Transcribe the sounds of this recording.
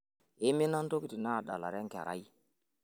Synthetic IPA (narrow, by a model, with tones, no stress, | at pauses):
ɪ˦mɪ˦na˦n˦to˦ki˨ti˨na˦˨da̰˨la̰˨ɾɛ˦ŋkɛ̰˨ɾa̰˦ji˦